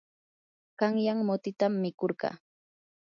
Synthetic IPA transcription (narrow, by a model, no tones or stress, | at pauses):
ɢɑŋjaŋmot̪ɪt̪amːɪkoɾɢɑ̰ː